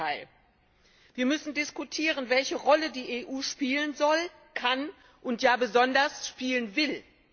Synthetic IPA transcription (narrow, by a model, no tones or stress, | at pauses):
aɪ | viːɐmʏsn̩dɪskutʰiːʁənvɛlçəʁɔlədiːʔeʔuːʃpiːlənzɔl | kʰan | ʔʊntjaːbəzɔndɐsʃpiːlənvɪl